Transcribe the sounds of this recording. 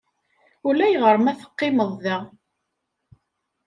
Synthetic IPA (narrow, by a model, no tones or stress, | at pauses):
ʊlæjʁəɾəmæθə̥qːɪməðˤðæ